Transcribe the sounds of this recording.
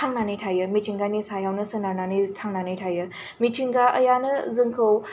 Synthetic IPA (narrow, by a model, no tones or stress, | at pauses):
tʰaŋnanɯjtʰajɯmitʰiŋɡanisajawnɯsɯnananɯjtʰaŋnanɯjtʰajɯ | mitʰiŋɡaʔɐ̰janɯzɯŋkʰɯw